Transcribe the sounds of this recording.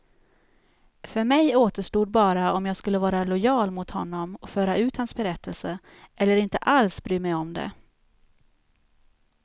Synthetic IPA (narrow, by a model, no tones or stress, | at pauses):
fœɾmɛjoːt̪əʂʈuːd̪̚bɑːɾaɔmjɑːɡskɵlːəvɑːɾalʊjɑːlmʊt̪hɔnːɔmɔkfœːɾaʉ̟ːt̪hansbɛɾɛt̪ʰːəlsə | ʔɛlːəɾɪnt̪əʔalsbɾyːmɛjɔmd̪ɛ̰